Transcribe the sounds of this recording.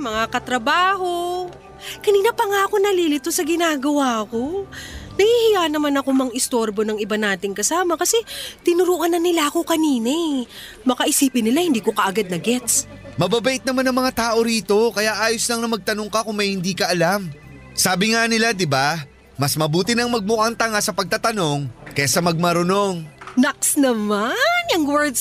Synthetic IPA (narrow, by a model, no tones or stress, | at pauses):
mɐŋakɐt̪ɾɐbaːho̞ | kɐniːnɐpɐŋaʔɐko̞nɐliːlɪt̪osɐɡɪnaːɡɐwaːko̞nɐhihɪjanɐmanɐko̞mɐŋʔɪst̪o̞ɾbo̞nɐŋɪbanaːt̪ɪŋkɐsaːmɐkɐsɛt̪ɪnʊɾuʔɐnɐnɪlaʔɐko̞kɐniːnɐ | mɐkɐʔɪsiːpɪnːɪlahɪnd̪iːko̞kɐʔɐɡad̪̚nɐɡɛt̪s | mɐbabɐʔɪt̪̚nɐmanɐŋmɐŋat̪aːʔo̞ɾiːt̪o̞kɐjaʔaːjoslɐŋnɐmɐɡ̚t̪ɐno̞ŋkɐkʊŋmɐjhɪnd̪iːkɐʔɐlam | saːbɪŋanɪlad̪ɪba | mɐsmɐbuːt̪ɪnɐŋmɐɡ̚mʊʔaŋt̪ɐŋasɐpɐɡ̚t̪at̪ɐno̞ŋkɐasɐmɐɡ̚mɐɾʊno̞ŋnaksnɐmanjɐŋwɛɹd̪s